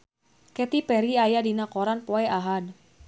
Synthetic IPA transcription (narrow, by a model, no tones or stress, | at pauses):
kɛt̪ipɛɾiajadinakɔɾanpɔɛʔaɦad